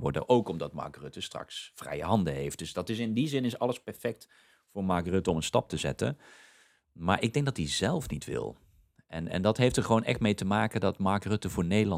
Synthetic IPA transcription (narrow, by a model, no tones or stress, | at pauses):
ʋɔ̰ɹdə̰ʔowkɔmdɑtma̰ːɡrøtəstrɑ̰ksfrɛ̰jəɦɑndəɦejft̚d̥ɵsdɑtɪs̬ɪndizɪnɪsɑlˠəspɛɹfɛk̚t | vʊːɹmaːɡrøtəɔmənstɑp̚təzɛ̰tə̰n | maːɹʔɪɡ̚dɛŋɡdɑtizɛlˠfnitʋɪ̰lˠ | ɛnɛ̰ndɑtɦejftəɹχəʋownʔɛ̰χtmejtəmaːkəndɑtmaːɹɡrɵtəvʊːɹnejdəlɑ